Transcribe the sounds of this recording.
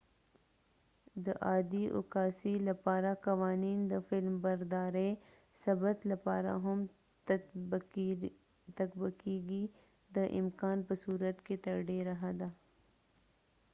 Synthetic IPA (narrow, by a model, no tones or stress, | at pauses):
d̪əʔaːd̪iʔʊ̰kaːsilɐpaːɾakɐʋaːniːnd̪əfɪlmbɐɾd̪aːɾe | sɐbət̪lɐpaːɾa̰ɦʊm | t̪ɐkbəkiɡi | d̪əʔɪmkaːnpəsuːɾət̪ket̪ɐɾɖeɾɐɦad̪aː